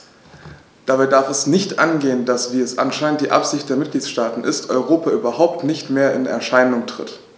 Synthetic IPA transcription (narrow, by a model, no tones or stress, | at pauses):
d̥abaɪdaɐfɛsnɪçtʔanɡeːəndasv̥iːɛsʔa̰nʃaɪnəntd̥iːʔa̰pz̥ɪçt̚d̥eːɐmɪt̚ɡ̥liːtʃtaːtn̩ʔɪstʔɔʏʁ̞oːpʰaʔyːbɐhaʊp̚tnɪçtmeːɐɪnɛ̰ɐʃaɪnʊŋtʁ̥ɪ̰t